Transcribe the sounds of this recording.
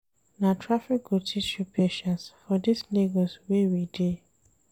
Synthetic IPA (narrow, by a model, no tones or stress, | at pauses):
natʰɹafikotʰiʃupʰeʃãnsfɔdisneɡoswewide